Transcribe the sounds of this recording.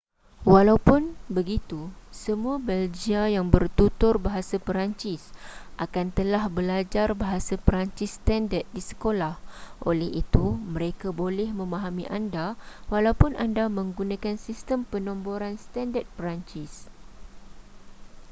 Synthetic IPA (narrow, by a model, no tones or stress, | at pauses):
walawpʊnbəɡit̪usəmũabɛld͡ʒiajaŋbərt̪ut̪ʊrbaɦasapəɾaɲt͡ʃɪsʔakant̪əlahbəlad͡ʒarbaɦasapəɾaɲt͡ʃisːt̪andət̪̚disə̥kolahʔo̰lɛhit̪umə̃ɾekabolɛhmə̃mãɦamḭʔandawalawpʊnandamə̃ŋɡunãkansist̪əmpənɔ̃mboɾanst̪andət̪̚pəɾaɲt͡ʃis